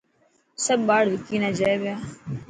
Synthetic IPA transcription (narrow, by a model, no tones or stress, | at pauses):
səbɓaːɽʋɪkiːnãːd͡ʒaeʋɪjaː